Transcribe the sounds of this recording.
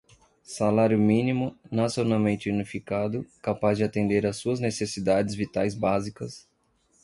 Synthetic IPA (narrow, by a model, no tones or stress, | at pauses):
salaɾjʊmĩnimʊnasionawmẽnt͡ʃɪunifikad̪ʊkapazd͡ʒɪat̪ẽnd̪eɾɐsuɐznesesid̪ad͡ʒɪzvit̪ajzbazikɐs